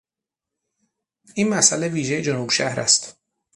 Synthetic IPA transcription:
ʔiːnmæsʔæle̞viːʒejed͡ʒonuːbʃæhɾæ̰st̪

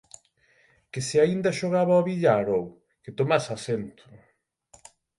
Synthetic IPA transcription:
keseaind̪aʃoɣ̞aβaoβiʎaɾow | ket̪omasasent̪ʰʊ̥

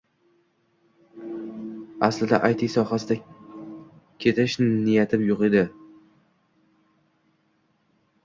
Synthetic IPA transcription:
aslɪd̪aʔajt̪ʰɪsɒhasɪd̪a | kʲʰe̞t̪ʰɪʃnɪjat̪ʰɪbjʊqed̪ɪ

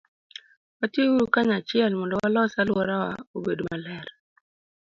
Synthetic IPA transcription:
watjeuɾukaɲat͡ʃɪɛlmɔndɔwalɔsalwɔɾawa̰obedomalɛɾ

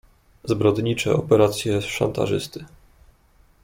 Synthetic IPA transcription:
zbɾɔd̪ɲit͡ʂɛ̰ɔpɛɾat̪sʲjɛsʂa̰nt̪a̰ʐɘst̪ɘ

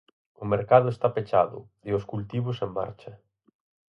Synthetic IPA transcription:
ʊmeɾkað̞ʊest̪apet͡ʃaðʊ̰ðɪʊskult̪iβʊsemba̰ɾt͡ʃɐ

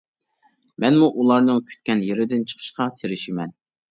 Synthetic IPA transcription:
mɛnmuʔulˠɑɾnɨŋkʲʰy̥t̪̚kʲɛnjeɾɪd̪ɪnt͡ʃʰə̥qʰə̥ʃqɑt̪ʰeɾɪʃɪmɛn

